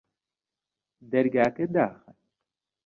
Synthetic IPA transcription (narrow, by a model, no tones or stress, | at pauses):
d̪ɐɾɡaːked̪aːxɐ